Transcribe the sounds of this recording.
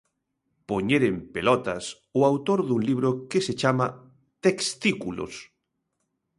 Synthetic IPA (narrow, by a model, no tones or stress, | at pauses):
poɲeɾempelɔt̪ɐs | ʊawt̪oɾðuŋliβ̞ɾokeset͡ʃamɐ | t̪ekst̪ikulo̰s